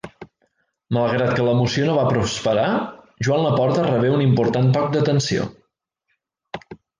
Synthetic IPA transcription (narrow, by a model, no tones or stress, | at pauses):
malˠɣɾat̪̚kələmusionoβapɾuspəɾa | ʒuwanləpɔɾt̪ərəβ̞eunimpuɾt̪ant̪ɔk̚d̪ət̪ənsio̰